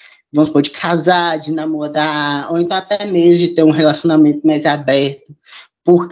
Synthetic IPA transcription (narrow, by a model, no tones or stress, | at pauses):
vɐ̃mʊspod͡ʒɪkʰazaɾd͡ʒɪnɐmoɾao̰wẽt̪ɐ̃w̃at̪ɛmezʊd͡ʒɪt̪eɾũɦelasiõnamẽnt̪ʊmajzabɛɾt̪ʊ | pʊɾk